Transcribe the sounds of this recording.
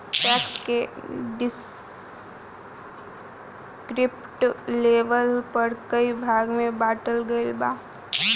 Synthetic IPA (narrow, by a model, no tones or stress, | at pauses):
pɛːkkeɖɪs | kɾɪpʈleːʋəlpəɾkəibʱaːɡmẽbaːʈəlɡəɪlbaː